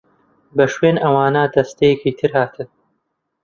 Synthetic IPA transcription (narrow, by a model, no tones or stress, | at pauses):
bɐʃweːnʔɐwaːnɐd̪ɐst̪ɐjɛkit̪ʰɨɾhaːt̪ʰɨn